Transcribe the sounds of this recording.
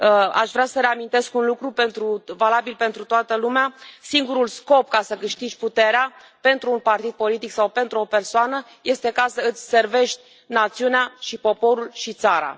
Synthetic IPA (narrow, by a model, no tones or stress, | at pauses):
əa̰ʃvɾasəɾeamint̪e̞skunlukɾupe̞nt̪ɾuvalabilpe̞nt̪ɾut̪oat̪əlumeasiŋɡuɾulsko̞pkasəkɨʃt̪id͡ʒʲput̪e̞ɾea | pe̞nt̪ɾuːnpart̪id̪̚po̞lit̪iksawpe̞nt̪ɾuo̞pe̞rsoanə | je̞st̪e̞kasəɨt̪sʲse̞rve̞ʃt̪ʲ | nat̪siuneaʃipo̞po̞ɾulʃit̪saɾa̰